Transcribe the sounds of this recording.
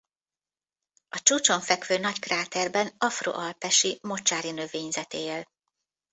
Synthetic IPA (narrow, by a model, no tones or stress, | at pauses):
ɒt͡ʃuːt͡ʃo̞ɱfɛkʋøːnɒckraːt̪ɛrbɛnɒfro̰ːʔɒlpɛʃimo̞t͡ʃaːɾinø̞veːɲzɛt̪eːl